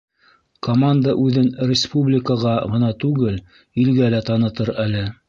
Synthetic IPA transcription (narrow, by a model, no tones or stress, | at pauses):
komand̪əʔʉðɘnrʲɪspublʲɪkəʁɑʁɤ̆nɑt̪ʉɡɘl | ilɡælæt̪ɑnɤ̆t̪ɤɾælɘ